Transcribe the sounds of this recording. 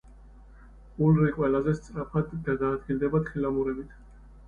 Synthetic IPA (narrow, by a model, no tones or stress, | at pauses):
ulɾiqʼwɛlazɛst̪sʼɾapʰad̪ːad̪aːd̪ɡild̪ɛbat̪χilamuɾɛbit̪ʰ